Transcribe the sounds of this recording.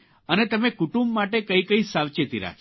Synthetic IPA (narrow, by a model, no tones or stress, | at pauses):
ənet̪əmekuʈumbmaʈekəikəisaʋt͡ʃet̪iɾa̰